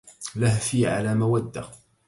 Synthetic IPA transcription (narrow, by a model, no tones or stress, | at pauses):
lahfiʕa̰læmæwæd̪ːa̰